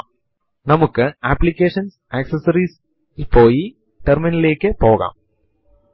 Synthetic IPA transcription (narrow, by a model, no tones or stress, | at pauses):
nɐmukːɨaːpːlikʲːeːʂɐns | aksɐsɐriːs | pːoːji | ʈerminile̞ːkːɨpo̞ːɣa̰ːm